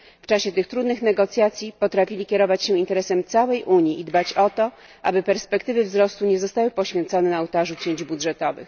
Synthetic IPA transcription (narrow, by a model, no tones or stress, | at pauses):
ft͡ʂaɕɛt̪ɘxt̪ɾud̪nɘxnɛɡɔt̪sʲjat̪sʲjipɔt̪ɾafʲilʲikʲɛɾɔvat͡ɕɕɛint̪ɛɾɛsɛmt̪sawɛjʔuɲiʔid̪bat͡ɕɔt̪ɔ | ʔa̰bɘpɛɾspɛkt̪ɘvɘvzɾɔst̪uɲɛzɔst̪awɘpɔɕfʲjɛnt̪sɔnɛnaːwt̪aʐut͡ɕeɲd͡ʑbudʐɛt̪ɔvɘ̰x